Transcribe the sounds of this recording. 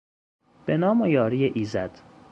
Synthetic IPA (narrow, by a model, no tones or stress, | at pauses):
b̥enɒːmojɒːɾiːeʔiːzæd̪̥